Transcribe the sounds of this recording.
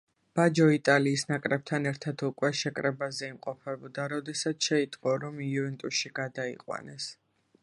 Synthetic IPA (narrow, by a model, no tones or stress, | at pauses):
b̥ad͡ʒɔit̪ʼaliːsnakʼɾɛb̚t̪ʰanɛɾt̪ʰat̪ʰukʼwɛʃɛkʼɾɛbazɛimqʼɔpʰɛbɔd̪aɾɔd̪ɛsat̪sʰʃɛit̪ʼqʼɔɾɔmiuvɛnt̪ʼuʃiɡad̪aḭqʼwa̰nɛs